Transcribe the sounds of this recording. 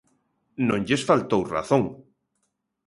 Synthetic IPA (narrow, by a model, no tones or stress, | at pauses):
nõŋʎesfalt̪owra̰θõŋ